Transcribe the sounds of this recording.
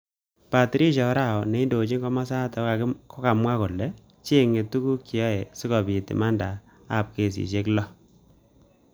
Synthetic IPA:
pa˨tɾi˦ʃɔ˨˦ɾa˦˨wɔ˨ne˨˦i˦ndo˨t͡ʃi˦ŋɡɔ˦ma˦sa˦tɔ˨ka˨˦kɔ˦ka˨mwa˦ko˨lːɛ˨ | t͡ʃe˦ŋe˨tu˦ku˦kːi˨ɔ˦e˨si˦kɔ˨bi˨tḭ˨ma˦nda˨ | a˦˨p̚ke˨s̬ḭ˨ʃe˦klɔ˦

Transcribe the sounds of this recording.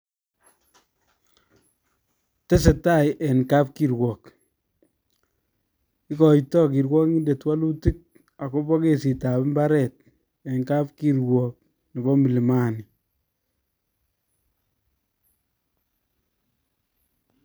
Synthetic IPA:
te˦se˨ta˦jʔe˨nka˦p̚kiɾwɔ˨k | i˦kɔ˨jtɔ˦ki˨ɾwɔ˦ŋi˦nde˨twa˦lu˦ti˦k̚ | a˨ko˦bɔ˦ke˦si˨ta˨pmba˦ɾɛ˨t̚ | e˨ŋka˦p̚ki˦ɾwɔ˨k̚ | ni˨bɔ˦mi˨li˨ma˦ni

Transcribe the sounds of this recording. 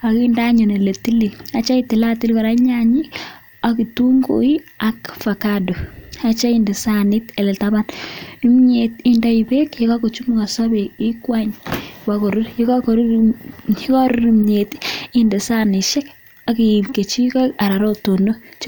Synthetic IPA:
a˨kinda˦ɲo˨ne˨le˨ti˦li˨a˨t͡ʃa˦i˦ti˨la˦ti˦lkɔ˨ɾa˦ɲaɲi˦ | aki˨tu˦ŋɡo̰˨i˦a˨kfa˨kado˨a˨t͡ʃa˦inde˨sanɪ˦te˨lɛ˨taba˦ni˦m˦ɲeti˦ndaibe˦kjɔ˦ka˦ko˨t͡ʃu˦muka˨sa˦be˨ɪ˦kwaɲwako˨ɾu˦ɾji˦kɔkoɾu | kɔ˦ɾu˦ɾimɲe˨tiinde˨sa˦nɪ˨ʃɛ˦k̚ | a˨ki˨mke˨t͡ʃi˦kɔ˦a˨ɾa˨ɾo˦tono˦t͡ʃ

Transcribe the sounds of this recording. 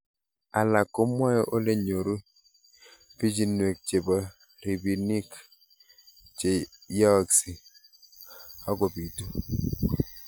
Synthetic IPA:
a˨la˨ko˨˦mwa˦jɔ˦ʔo˦le˦ɲo˨ɾu˦ | bi˦d͡ʒi˦nwe˨k̚t͡ʃe˨bɔ˨ | ɾi˨bi˨ni˦k | t͡ʃe˨jɔ˦˨ksi˨ | a˦ɡo˨bi˨tu˦

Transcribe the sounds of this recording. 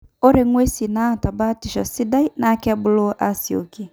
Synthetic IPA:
o˦ɾe˨ŋwe˦si˨na˦˨ta˨ba˦ti˨ʃɔ˨si˦da˦i˦na˨˦kɛ˦bʊ˦lo˦ʔa˦si˨o̰˨ki˨

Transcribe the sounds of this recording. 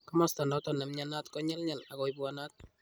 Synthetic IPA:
ka˦mɔ˦stɔ˨ndɔ˦tɔ˨na˨mɲana˦tkɔ˦ɲɛ˦lɲa˨la˨kɔ˨jbwana˦t̚

